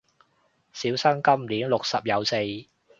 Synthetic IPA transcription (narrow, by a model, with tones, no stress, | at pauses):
siː˨˥wsɐ˥ŋkɐ˥mliː˨˥nlʊ˨k̚sɐ˨p̚jɐ˨˧wse˧j